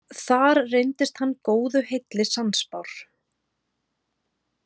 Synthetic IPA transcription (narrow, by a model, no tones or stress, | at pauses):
θaɾrejnt̪ɪst̪hanːkoːwðʏhejt̪lɪsanspawɾ̥